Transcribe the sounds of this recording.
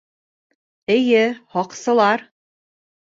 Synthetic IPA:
ɘ̆jɘhɒqsɤ̆lˠɑɾ

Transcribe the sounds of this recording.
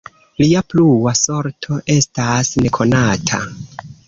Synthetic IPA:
liapluwaso̞ɾtʰo̞ʔe̞stasne̞kʰo̞natʰa̰

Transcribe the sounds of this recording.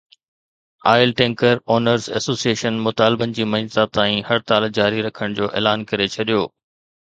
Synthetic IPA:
aːɪlʈɛ̃ːŋkəɾoːnəɾzɛ̰soːsieːʃənmʊt̪aːlɪbənɪ̆d͡ʑiːmɐt̪at̪aːĩhɐɾt̪aːld͡ʑaːɾiɾɐkʰəɽ̃d͡ʑoːʔḛːlaːnkɐɾet͡ɕʰɐɗijoː

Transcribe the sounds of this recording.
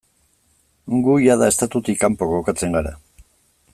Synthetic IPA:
ŋɡujaðae̞st̪at̪ut̪ikːampo̞ɣokat͡se̞ŋɡaɾa̰

